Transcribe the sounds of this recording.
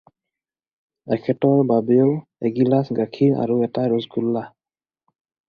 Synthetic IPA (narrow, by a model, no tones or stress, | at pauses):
ɛkʰɛtɔɹbabɛjo | ɛɡilasɡakʰina̰ɹuɛtaɹɔzɡulːa